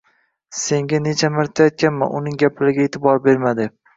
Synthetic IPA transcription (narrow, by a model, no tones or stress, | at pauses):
se̞ŋɡʲane̞t͡ʃʰamɪɾt̪ʰajɒt̪̚kʲanma̰ʔʊnɪŋɡʲapʰlaɾɪɡʲaet̪ʰɪbɒɾbe̞ɾmad̪ɪ